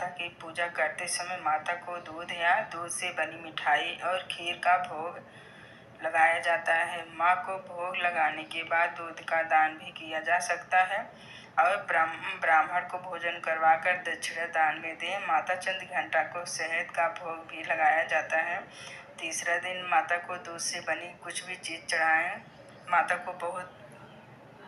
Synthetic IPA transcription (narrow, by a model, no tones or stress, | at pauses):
t̪akipuːd͡ʒakəɾt̪esɐməmaːt̪akod̪uːd̪ʱɦejad̪uːd̪ʱsebɐnimɪʈʰaːiʔɔːɾkʰiːɾkabʱoːɡ | lɐɡaːjad͡ʒaːt̪aɦɛmãkobʱoːɡlɐɡaːnekebaːd̪ːuːd̪ʱkad̪aːnbʱikijad͡ʒaːsɐkt̪aɦɛ | ɔːɾbɾambɾaːməɽkobʱoːd͡ʒənkəɾʋaːkəɾd̪ɐʃʰɽad̪aːnmẽd̪ẽmaːt̪at͡ʃə̃nd̪ɡʱə̃ɳʈakosɛɦəd̪kabʱoːɡbʱilɐɡaːjad͡ʒaːt̪aɦɛt̪iːsɾad̪ɪnmaːt̪akod̪uːd̪sebɐnikʊt͡ʃʰbʱit͡ʃiːzt͡ʃɐɽ̤aːẽ | maːt̪akobɐɦʊt̪̚